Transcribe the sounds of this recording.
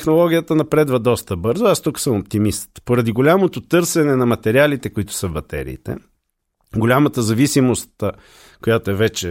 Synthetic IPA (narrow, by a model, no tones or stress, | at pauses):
ɛxnolˠɔɡʲijət̪ənɐpɾɛd̪vɐd̪ɔst̪əbɤɾzoast̪uksəmop̚t̪imist̪poɾɐd̪iɡolʲamot̪ot̪ɤɾsɛnɛnɐmɐt̪ɛɾialit̪ɛkʊit̪ʊ̥səvbɐt̪ɛ̰ɾḭːt̪ɛ̰ | ɡolʲamət̪əzɐvisimost̪ | kojat̪oɛvɛt͡ʃɛ